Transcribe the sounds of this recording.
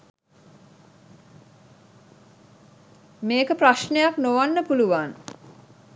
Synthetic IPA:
meːkəpraʃnejaknoʋanːəpuluʋan

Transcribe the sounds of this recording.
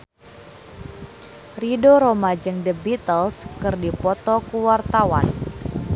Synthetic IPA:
ridoɾomad͡ʒɨŋdəbit̪əlskɨrdipɔt̪ɔkuwart̪awa̰n

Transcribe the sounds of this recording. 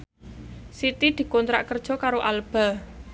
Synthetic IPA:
sit̪id̪̥i̤kɔnt̪ɾa̰ʔkərd̥ʒ̥ɔ̤kaɾoʔalb̥a

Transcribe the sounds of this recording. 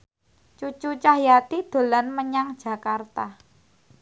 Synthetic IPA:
t͡ʃut͡ʃut͡ʃahjat̪id̪̥o̤lanməɲaŋd̥ʒ̥ä̤kart̪a

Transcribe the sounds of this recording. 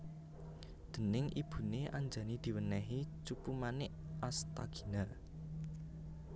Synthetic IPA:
d̪̥ə̤nɪŋʔḭb̥ṳneʔaɲd͡ʒa̤nid̪̥i̤wənɛɦit͡ʃupumanɪʔast̪a̰ɡ̥i̥̤na

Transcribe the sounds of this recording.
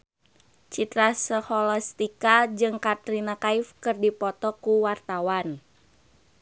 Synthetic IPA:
t͡ʃit̪ɾasəhɔlast̪ikad͡ʒɨŋkat̪ɾinakaifkɨrdipɔt̪ɔkuwart̪awan

